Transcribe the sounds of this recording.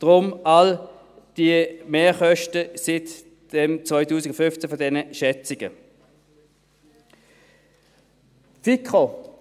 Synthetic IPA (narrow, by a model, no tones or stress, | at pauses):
d̥ʁʊmal | d̥imeːχœʃtəsɪt | d̥ɛmt͡svɔɪtuːsɪɡofʏnft͡sɛfɔdɛnəʃɛt͡sɪɡ̥ə̰ | t͡siko